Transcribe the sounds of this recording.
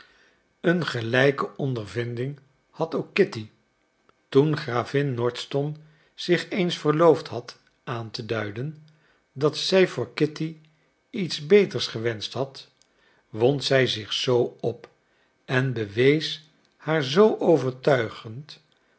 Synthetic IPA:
ənχəlɛjkəʔɔndəɹvɪndɪŋ | hɑtowkːɪti | tunχraːvɪnːɔɹtstɔn | z̥ɪχejnsfəɹlowftɦɑt | aːntədœɥdən | dɑtsɛjvʊːɹkɪti | itzbejtəɹsχəʋɛnstɦɑt | ʋɔntsɛjzɪχsowɔp | ɛnbəʋejs | haːɹzowʔowvəɹtœɥχənt

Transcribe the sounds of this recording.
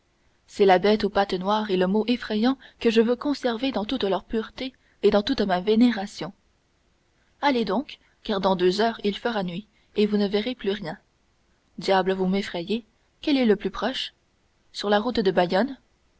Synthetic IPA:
sɛlabɛt̪opat̪nwaːʁeləmoʔefχɛjɑ̃kəʒəvøkɔ̃sɛʁved̪ɑ̃t̪ut̪lœʁpyʁt̪e | ed̪ɑ̃t̪ut̪maveneʁasjɔ̃ | aled̪ɔ̃kː | aʁd̪ɑ̃d̪øzœːʁilfəʁanɥi | evunəvɛʁeplyʁjɛ̃ | d̪jabləvumefχɛje | kʲɛlɛləplypχɔʃ | syʁlaʁut̪d̪əbajɔn

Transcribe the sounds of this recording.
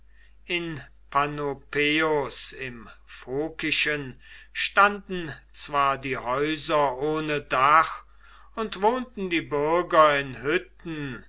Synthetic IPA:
ʔɪn | pʰanopʰeosɪmfoːkɪʃən | ʃtandn̩t͡sv̥aːɐdiːhɔʏzɐʔoːnədaχ | ʊntv̥oːntn̩diːbʏɐɡɐɪnhʏtn̩

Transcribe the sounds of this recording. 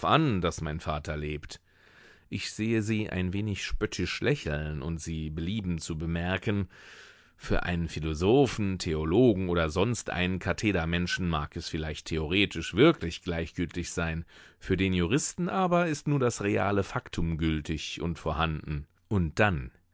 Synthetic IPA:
fʔa̰ndasmaɪnfaːtʰɐleːpt | ʔɪçz̥eːəziːʔa̰ɪnveːnɪçʃpœtʰɪʃlʔɛçl̩nʔʊ̰ntz̥iːbəliːbm̩t͡subəmɛɐkʰən | fyːɐʔa̰ɪnənfilozoːfn̩tʰeoloːɡŋ̩ʔoːdɐzɔnstʔa̰ɪnənkʰatʰeːdɐmɛnʃn̩maːkɛsfɪlaɪçtʰːeoʁ̞eːtʰɪʃv̥ɪɐkʰlɪçɡ̥laɪçɡ̥ʏltɪçz̥aɪnfyːɐdeːnjuʁ̞ɪstn̩ʔaːbɐɪstnuːɐdasʁea̰ːləfaktʰʊmɡʏltʰɪçʔʊ̰ntfoːɐhandn̩ | ʔʊnt̚d̥an

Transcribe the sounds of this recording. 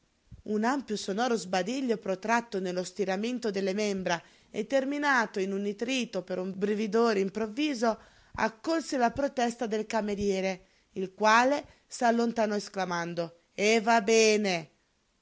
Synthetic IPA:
unampjosonɔːɾozbad̪iʎːopɾot̪ɾat̪ːonelːost̪iɾament̪od̪elːemembɾa | et̪ːerminaːt̪oinunit̪ɾiːt̪opeɾumbɾevid̪oːɾeimpɾovːiːzo | a̰kːolselapɾot̪ɛst̪ad̪elkameɾjɛːɾe | ilkwaːle | salːont̪anɔesklamand̪o | evabɛːne

